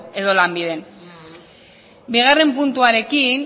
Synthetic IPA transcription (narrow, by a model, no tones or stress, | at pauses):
e̞ðo̞lambiðe̞n | biɣ̞are̞mpunt̪uaɾe̞kin